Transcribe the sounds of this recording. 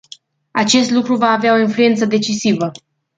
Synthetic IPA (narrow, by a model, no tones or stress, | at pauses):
at͡ʃe̞st̪lukɾuvaːveao̞influe̞nt̪səd̪e̞t͡ʃisivə